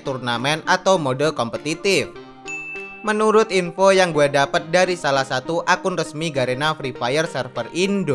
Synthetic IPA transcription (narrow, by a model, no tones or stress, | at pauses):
t̪urnamɛnat̪awmodəlkɔmpət̪it̪ɪf | mənuɾʊt̪̚infojaŋɡuɛdapət̪̚daɾisalahsat̪uʔakʊnrəsmiɡaɾenafɾifajərsɛrfərindo